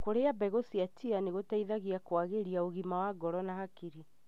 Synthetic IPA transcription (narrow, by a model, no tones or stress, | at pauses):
koɾeabɛɣosiatianeɣotaiðaɣiakwaɣeɾiaoɣimawaɡɔɾɔnahakiɾi